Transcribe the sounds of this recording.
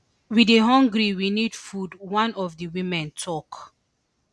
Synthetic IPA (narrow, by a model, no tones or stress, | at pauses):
wideɦɔ̃ŋɡɹiwinid̥fudwãnɔvdəwĩmɛ̃ntʰɔk